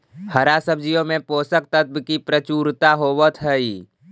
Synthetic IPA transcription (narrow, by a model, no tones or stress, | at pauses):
həɾasəbd͡ʒijõmẽpoːsək̚t̪ət̪̚bkipɾət͡ʃuːɾt̪aɦoːʋət̪ʰɦəi